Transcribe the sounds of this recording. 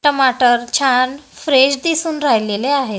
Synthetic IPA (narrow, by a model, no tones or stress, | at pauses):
ʈəmaʈəɾt͡ɕʰanfɾeɕd̪isuːnɾajleleaɦet̪